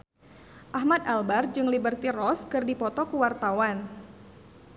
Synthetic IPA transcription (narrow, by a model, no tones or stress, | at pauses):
ʔaɦmad̪albard͡ʒɨŋlibərt̪irɔskɨrdipɔt̪ɔkuwart̪awan